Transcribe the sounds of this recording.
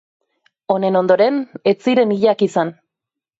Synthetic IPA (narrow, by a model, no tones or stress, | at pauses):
o̞ne̞no̞nd̪o̞ɾe̞ne̞t͡siɾe̞niʎakisan